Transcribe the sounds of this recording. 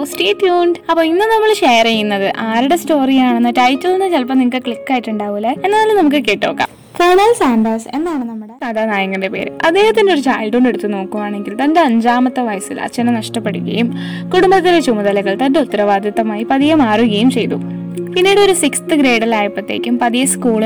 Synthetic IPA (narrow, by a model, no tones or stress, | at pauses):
sʈeːʈːjuːɳɖɐpːoːinːɨnɐmːɐɭɕejɐrɐjunːɐðɨʔaːɾiɽe̞sto̞ːrijaːɳenːɨʈɐjtːɐlinːɨt͡ɕɐlp̬ːɐnimukːɨkɭikːaːjiʈːuɳɖaːʋulːeenːaːlumnɐmuk̬ːɨkeːʈːo̞ːkːa̰ː | feːɳɐlsaːɳɖɐːse̞nːaːɳɨnɐmːuɽeɐðanaːjɐŋːɐnde̞pe̞̰ːɾɨʔɐd̪e̞ːhɐt̪ːindeo̞ɾut͡ɕaːjlɖoːɳɖeɽut̪ːuno̞ːkːuʋaːɳe̞ŋɡilt̪ɐndeɐɲd͡ʑaːmɐt̪ːɐʋɐjsḭlɐ̰t͡ɕːɐnɐnɐʂʈɐpːe̞ɽuɣɐ̰jumkuɽumbɐt̪ːilet͡ɕumɐðɐlɐɣɐɭt̪ɐndeut̪ːɐɾɐʋaːd̪ʱjɐt̪ːɐmaːjipɐðijɐmaːruɣɐjumt͡ɕe̞jt̪ṵ | pinːiːɽoɾusikst̪ɨɡɾeːɽɐlaːjipːɐt̪ːe̞ːkʲːumpɐðijɐskuːɭ